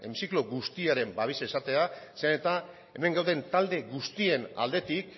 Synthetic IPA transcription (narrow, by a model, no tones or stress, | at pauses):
ḛmsiklo̞ɣust̪iaɾe̞mbaβ̞isaisat̪e̞aseanet̪a | e̞me̞ŋɡawðe̞nt̪ald̪e̞ɣust̪ie̞na̰ld̪e̞t̪ik